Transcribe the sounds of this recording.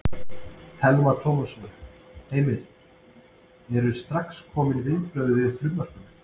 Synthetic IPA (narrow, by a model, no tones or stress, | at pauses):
t̪ʰɛlmat̪ʰɔːmɔsɔnʏheːjmɪɾ̥ | jɛɾʏɾst̪ɾakskʰɔːmɪnivɪnpɾœɥðɪvɪðfɾʏmmːar̥kʏn